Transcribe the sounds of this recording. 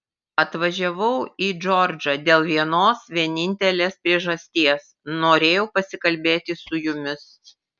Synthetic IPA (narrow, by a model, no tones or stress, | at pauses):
ɐt̪ʋɐʒʲɛʋɐʊiːd͡ʒɔɾʲd͡ʒɐd̪ʲeːlˠʋʲiɛnoːsʋʲiɛnʲɪnʲt̪ʲɛlʲeːspʲɾʲiɛʒɐsʲt̪ʲiɛsnoːɾʲeːjɛʊpɐsʲɪkɐlʲbʲeːt̪ʲɪsʊjʊmʲɪs